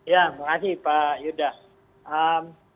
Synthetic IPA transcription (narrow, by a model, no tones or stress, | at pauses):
jamakasipajudas | əm